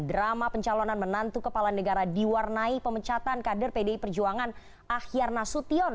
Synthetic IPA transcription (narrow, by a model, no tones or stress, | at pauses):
dɾamapəɲt͡ʃalonanmənant̪ukəpalanəɡaɾadiwarnaipəmət͡ʃat̪ankadərpedeipərd͡ʒuaŋan | ahiarnasut̪iɔn